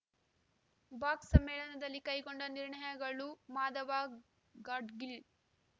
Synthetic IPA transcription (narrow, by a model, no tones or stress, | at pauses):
baːksɐmːɛːɭɐnɐd̪ɐlːikɐjɡoɳɖɐniɾɳɐjɐɡɐɭumaːd̪ɐʋaː | ɡaːɖɡil